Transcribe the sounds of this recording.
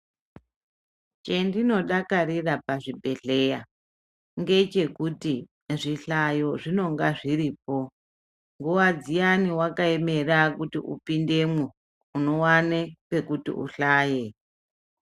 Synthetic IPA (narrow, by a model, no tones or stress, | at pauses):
t͡ʃe̞ndino̞ɗakarirapaʐibʱe̞ɮe̞ja | ŋɡe̞t͡ʃe̞kuti | ʐiɬajo̞ʐino̞ŋɡaʐiɾiːp̚o̞ | ŋɡuwad͡zijaniwakae̞me̞rakutḭʔṵpinde̞mwu | uno̞wanepe̞kutḭʔṵɬaːje